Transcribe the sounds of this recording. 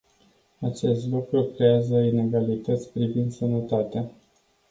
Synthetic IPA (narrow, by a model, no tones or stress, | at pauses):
at͡ʃe̞st̪lukɾukɾe̞azəine̞ɡalit̪ət̪sʲpɾivind̪sənət̪at̪ea